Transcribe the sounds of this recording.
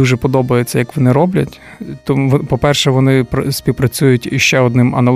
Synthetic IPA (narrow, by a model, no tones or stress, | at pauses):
uʒɛpɔd̪ɔbɐjet͡sʲːɐjɐkʋɔnɪɾɔblʲɐtʲ | t̪ɔmpɔpɛrʃɛʋɔnɪpɐsʲpʲiwpɾɐt͡sʲujʊtʲʃt͡ʃɛɔd̪nɪmɐ̰nɐ